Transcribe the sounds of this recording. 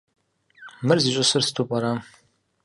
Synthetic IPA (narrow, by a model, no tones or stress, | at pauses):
mɨrziɕʼɪsɨrsɨ̥tʰupʼɐɾa